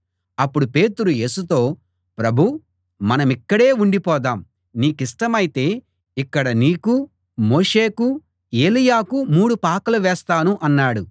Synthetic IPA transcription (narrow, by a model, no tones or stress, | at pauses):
ɐpːuɽupe̞ːt̪uɾuje̞ːsut̪o̞ː | pɾɐbʱu | mɐnɐmikːɐɽe̞ːuɳɖipɔːd̪aːm | niːkiʂʈɐmɐjit̪e̞ː | ikːɐɽɐniːku | mo̞ːʂeːku | e̞ːlijaːkumuːɽupaːkɐluʋɛːst̪aːnuʔɐnːaːɽu